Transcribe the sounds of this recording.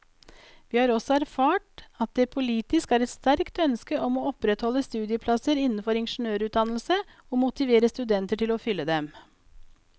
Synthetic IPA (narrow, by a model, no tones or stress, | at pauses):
ʋiːhɑːɾɔsɔæɾfɑːʈɑt̪̚d̪ɛpʰʊliːt̪ɪskæːɾɛt̪st̪æɾkt̪œnskəʔɔmoːɔpɾɛt̪hɔlːəst̪ʉːd̪ɪəpʰlɑsəɾɪnn̩fɔɾɪnʂɳ̩øːɾʉːt̪̚d̪ɑnlsəoːmʊt̪ɪʋeːɾəst̪ʉd̪ɛnt̪əʈɪlɔfʏlːəd̪ɛm